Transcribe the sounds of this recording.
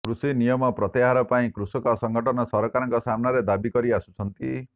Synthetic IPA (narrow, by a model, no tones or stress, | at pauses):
kɾusinijɔmɔpɾɔt̪eɦaɾɔpaĩkɾusɔkɔsɔŋɡɔʈɔnɔsɔɾɔkaɾɔŋkɔsamɔnaɾed̪abikɔɾiasu̥t͡ʃʰɔnt̪i